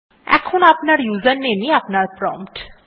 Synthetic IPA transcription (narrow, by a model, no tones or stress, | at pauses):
ɛ̰kʰonapnaɾjuzənːeniapnaɾpɾɔ̃mpʈ